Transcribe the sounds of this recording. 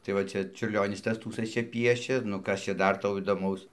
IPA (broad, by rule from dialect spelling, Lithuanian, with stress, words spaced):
tɐɪ ʋɐ ˈt͡ʃʲɛ t͡ʃʲʊrʲˈlʲoːnʲɪs ˈtɐs ˈtuːsɘs ˈt͡ʃʲɛ ˈpʲiɛʃʲeː nʊ ˈkɐs t͡ʃʲɛ ˈdɐr ˈtɐʊ iːdoːˈmɐʊs